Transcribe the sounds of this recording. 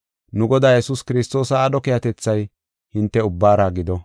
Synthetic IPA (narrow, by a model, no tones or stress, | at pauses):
nʊɡɔd̪aːjɛsuːskɪɾɪst̪o̞ːsɐːɗɔkɪjɐt̪ɛt͡sːɐj | hɪnt̪ːɛʊbːaːɾaːɡɪd̪ɔ